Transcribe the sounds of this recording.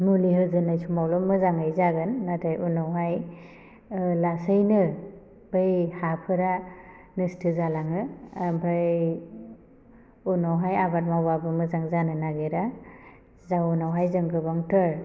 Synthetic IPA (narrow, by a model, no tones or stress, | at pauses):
muliɦɯzɯnajsʰumawlɔmɯzaŋɯjzaɡɯnːatʰajʔunawɦaj | lasɯjnɯ | bɯjhapʰɯɾa | nɯstʰɯzalaŋɯbʰʱɾaj | unɔwɦajabat̚mawbabɯmɯzaŋzanɯnaɡeɾa | zawunawɦajzɯŋkɯbaŋtɯɾ